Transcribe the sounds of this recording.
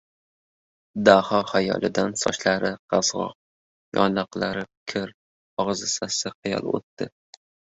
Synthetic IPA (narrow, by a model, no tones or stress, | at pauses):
d̪ahɒhajɒ̰lˠʔɪd̪ansɒ̰ʃlaɾɪqɑzʁɒ̰q̚ | jɒ̰nɑqlˠaɾɪkʲʰɪɾ | ɒʁɨzɪsasɪqʰɨjɒ̰lˠo̰t̪ːɪ